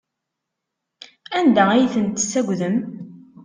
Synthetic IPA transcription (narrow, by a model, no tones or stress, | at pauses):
ænd̪æijθənt̪sːæɡʷðəm